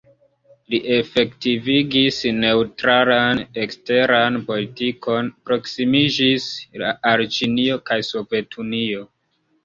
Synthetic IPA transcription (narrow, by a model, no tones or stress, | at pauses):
liʔe̞fe̞ktiviɡisne̞utɾalanekste̞ɾanpo̞litiko̞npɾo̞ksimid͡ʒisla̰ʔaɾt͡ʃinio̞kajso̞ve̞tʰunio̞